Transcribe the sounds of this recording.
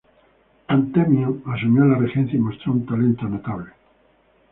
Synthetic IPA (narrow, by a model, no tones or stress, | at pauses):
ant̪emioasuɲolarexẽnθjaimost̪ɾount̪alent̪oanot̪aβle